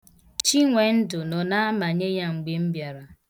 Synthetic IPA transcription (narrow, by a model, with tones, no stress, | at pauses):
t͡ʃi˦ŋʷe˨n̩˦dʊ˨nɔ˨na˦a˦ma˨ɲe˦ja˦ŋ͡m̩˨ɡ͡be˨m̩˦bja˨ɾa˨